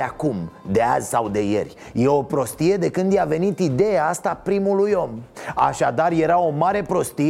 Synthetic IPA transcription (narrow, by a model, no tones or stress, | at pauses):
akumd̪e̞a̰zʲsawd̪e̞je̞̰rʲ | jeo̞pɾo̞st̪ije̞d̪e̞kɨnd̪jave̞nit̪id̪e̞jaast̪apɾimulujo̞ma̰ʃad̪arje̞ɾao̞maɾe̞pɾo̞st̪i